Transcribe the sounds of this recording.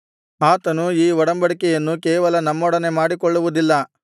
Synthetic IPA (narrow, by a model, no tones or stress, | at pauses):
aːt̪ɐnuiːʋɔɽɐmbɐɽikɛjɐnːukɛːʋɐlɐnɐmːɔɽɐne̞maːɽikɔɭːuʋud̪ilːɐ